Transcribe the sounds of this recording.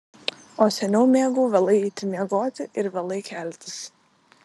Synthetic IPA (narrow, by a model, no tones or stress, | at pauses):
oːsʲɛnʲuːmʲeɛɡuːʋɐlˠɐɪit̪ʲɪmʲiɛɡoːt̪ʲɪʔɪɾʋɐlˠɐɪkʲælʲt̪ʲɪ̥s